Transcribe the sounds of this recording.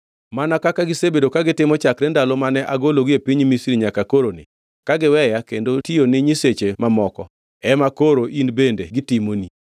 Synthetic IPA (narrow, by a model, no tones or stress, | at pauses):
manakakaɡɪsebedokaɡɪtɪmɔt͡ʃakɾɛndalomanɛʔaɡoloɡɪepiɲmisɾiɲakakoɾonɪ̰ | kaɡɪwɛjakendotionɪɲiset͡ʃemamɔkɔ̰ | ɛmakoɾoʔinbendeɡɪtɪmoni